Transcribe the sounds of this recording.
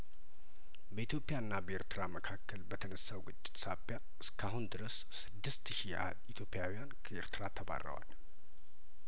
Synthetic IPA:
bəit̪jo̞pʼːɪjaɨnːabəeɾt̪ʰɨɾaməkʰakːəlbət̪ʰənəsːawɡɨt͡ʃʼːɪ̥t̪sabja | ɨskʰaɦund̪ɨɾəs | sɨd̪ːɨst̪ʃia̰d̪it̪ʰjo̞pʼːɪjawijankʰəeɾt̪ʰɨɾat̪ʰːəba̰rːə̰wa̰l

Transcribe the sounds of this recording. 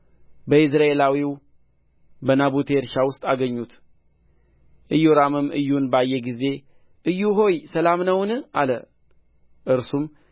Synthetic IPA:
bəɪsɾae̞lawiw | bənaβut̪ʰeɾʃawʊst̪ʼaɡəɲːut̪ | ʔɨjːuɾamɨmːʔɨjːunbəajːeɡize̞ | ʔɨjːuɦo̞jsəlamnəwnɨalə | ʔɨɾsum

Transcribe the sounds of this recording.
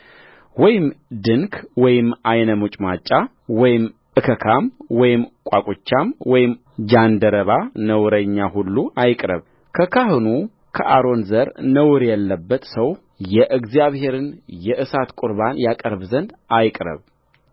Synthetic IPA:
wɔjɪmd̪ɨŋkʰwɔjɪmajnəmut͡ʃʼmat͡ʃʼːa | wɔjɪmʔɨkʰəkʰamwɔjɪmkʼakʼut͡ʃːamwɔjɪm | d͡ʒand̪əɾəβanəwɾəɲːaɦulːuʔajkʼɾə̰β | kʰəkʰahɨnu | kʰəʔaɾo̞nzəɾnəwɾjɛlːəbːət̪səw | jɛʔɨɡzijaβhe̞ɾɨnjɛʔɨsat̪kʼʊɾbanjakʼəɾβzənd̪ajkʼɾə̰β

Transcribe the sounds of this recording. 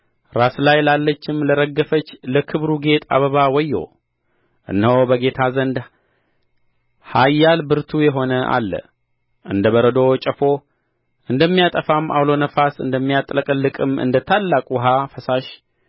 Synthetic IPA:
ɾaslajlalːət͡ʃːɪmləɾəɡːəfət͡ʃːləkʰɨβɾuɡe̞t̪ʰa̰βəβawɔjːo̰ | ʔɨ̰nːəwbəɡe̞t̪ʰazənd̪ | hajːalbɨɾt̪ʰujɛɦo̞nəʔa̰lːə̰ | ʔɨnd̪əβəɾəd̪o̞t͡ʃʼəfo̞ | ʔɨnd̪əmːijat̪ʼəfamːʔa̰wlo̞nəfasɨ̰nd̪əmːijat̪ʼləkʼlːɨkʼɨmɨ̰nd̪ət̪ʰalːakʼuɦafəsaʃ

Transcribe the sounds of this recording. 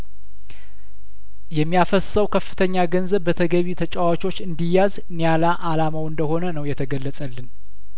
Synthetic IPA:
jɛmːijafəssəwkʰəfːɨt̪ʰəɲːaɡənzəβbət̪ʰəɡəβit̪ʰət͡ʃʼawat͡ʃo̞t͡ʃːɨnd̪ijazɨnijalaʔalamawɨnd̪əho̞nənəwjɛt̪ʰəɡəlːəsʼəlːɨn

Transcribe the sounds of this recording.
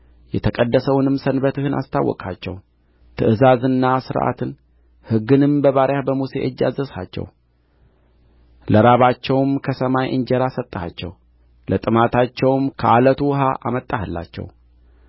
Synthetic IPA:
jɛt̪ʰəkʼəd̪ːəsəwnɨmsənbət̪ɨhɨna̰st̪ʰawːɔ̰kʼat͡ʃːɛ̰w | t̪ʰɨʔɨzazɨnːasɨɾʔa̰t̪ʰɨn | hɨɡːɨnɨmbəβaɾjabəmusḛʔɨd͡ʒːazəsha̰t͡ʃːɛ̰w | ləɾaβat͡ʃːɛwmkʰəsəmajʔɨɲd͡ʒɛɾasət̪ʼːəhat͡ʃːɛ̰w | lʔət̪ʼɨmat̪ʰat͡ʃːɛwmkʰəʔalət̪ʰuɦaʔa̰mət̪ʼːahɨlːa̰t͡ʃːɛ̰w

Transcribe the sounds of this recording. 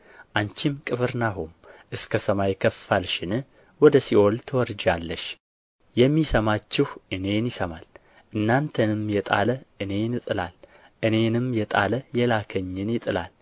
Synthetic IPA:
ʔant͡ʃimkʼɨfɨɾnaɦumʔɨskʰəsəmajkʰəfːalʃɪnɨ | wɔd̪əsiʔo̞lt̪ʰɨwɔɾd͡ʒalːəʃ | jɛmːisəmat͡ʃːɪhʔɨne̞njɪsəmal | ʔɨnːant̪ʰənɨmjɛt̪ʼa̰ləʔɨne̞nɨt̪ʼɨla̰l | ʔɨne̞nɨmjɛt̪ʼa̰ləjɛlakʰəɲːɪnjɪt̪ʼɨla̰l

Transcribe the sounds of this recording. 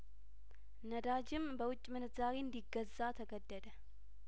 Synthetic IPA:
nəd̪ad͡ʒɪmbəwʊt͡ʃʼːmɨnɨzaɾend̪iɡəzːat̪ʰəɡəd̪ːəd̪ə

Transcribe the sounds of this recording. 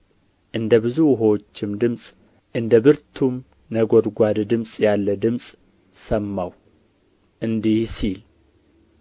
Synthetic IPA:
ʔɨnd̪əbɨzuɦowot͡ʃːɪmd̪ɨmsʼ | ʔɨnd̪əbɨɾt̪ʰum | nəɡod̪ɡʷad̪d̪ɨmsʼjalːəd̪ɨmsʼ | səmːaw | ʔɨnd̪ihsil

